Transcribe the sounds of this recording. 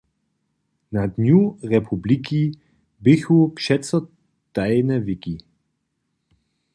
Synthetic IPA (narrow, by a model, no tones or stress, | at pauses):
nad̪nuʁɛpʰubliki | bɪxupʃɛtsɔ | t̪ajnɛvɪki